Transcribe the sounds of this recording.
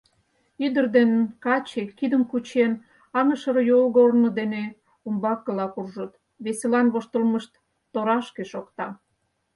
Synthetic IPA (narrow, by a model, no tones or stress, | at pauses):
yd̪ərd̪enkɑt͡ɕekid̪əmkut͡ɕen | ɑmə̆ʃəɾjolɣornod̪ene | umbɑkːəlɑkurʒot̪ | βeselɑnβoʃt̪əlməʃt̪ː | oɾɑʃkeʃokt̪ɑ